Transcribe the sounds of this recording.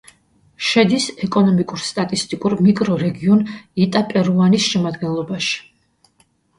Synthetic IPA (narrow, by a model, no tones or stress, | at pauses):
ʃɛd̪isɛkʼɔnɔmikʼuɾst̪ʼat̪ʼist̪ʼikʼuɾmikʼɾɔɾɛɡiɔnit̪ʼapʼɛɾuanisʃɛmad̪ɡɛnlˠɔbaʃi̥